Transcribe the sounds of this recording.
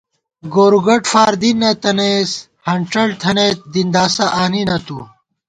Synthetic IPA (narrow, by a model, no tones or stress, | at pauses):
ɡoːɾuɡɐʈfaːɾd̪inːɐt̪ɐneːs | hɐɳʈ͡ʂɐɽt̪ʰɐneːt̪̚d̪ind̪aːsɐʔaːninɐt̪ṵ